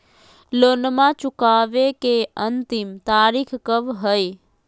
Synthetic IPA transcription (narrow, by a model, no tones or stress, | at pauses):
loːnmãt͡ʃʊkaːʋekeənt̪ɪmt̪aːɾikʰkəʋɦəi